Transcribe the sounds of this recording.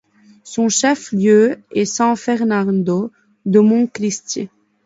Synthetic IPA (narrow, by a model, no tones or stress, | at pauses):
sɔ̃ʃɛfljøɛsɛ̃fɛʁnaʁd̪o | d̪əmɔ̃klist̪jḛ